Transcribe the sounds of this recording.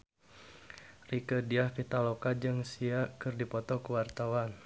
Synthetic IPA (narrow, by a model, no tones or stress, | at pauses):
rikədiahpit̪alokad͡ʒɨŋsiakɨrdipɔt̪ɔkəwart̪awan